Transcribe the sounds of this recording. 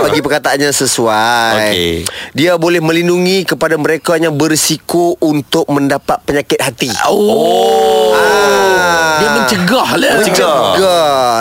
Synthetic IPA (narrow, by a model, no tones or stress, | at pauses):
baɡipərkat̪aanɲasəsuajdiabolɛhmə̃linduŋikəpadaməɾekaɲabərsikount̪ʊk̚məndapat̪̚pəɲakɪt̪̚hat̪io | diamə̃ɲt͡ʃəɡahləəɡəɡa